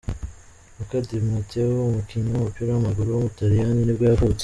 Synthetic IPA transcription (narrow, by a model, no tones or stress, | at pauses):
mukadiɾmatewoumukiɲaumupiɾawamaɡuɾuwomutaɾijaninibɡaːvut͡s